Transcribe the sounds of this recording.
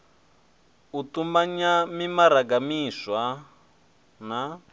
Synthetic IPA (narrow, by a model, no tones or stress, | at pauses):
utumaɲamimaɾaɡamiswa | na